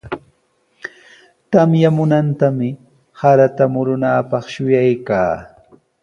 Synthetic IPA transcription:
t̪amjamʊnant̪amɪ | haɾat̪amʊɾʊnaːpɑχʃʊjajkaː

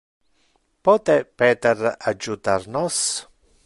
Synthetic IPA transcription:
pɔːt̪ɛpɛːt̪ɛrad͡ʒːut̪arnɔs

